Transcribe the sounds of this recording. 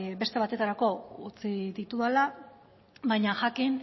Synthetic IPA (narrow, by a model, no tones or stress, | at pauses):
βe̞st̪e̞βat̪e̞t̪aɾako̞ut͡sid̪it̪uðala | βajɲaʝakin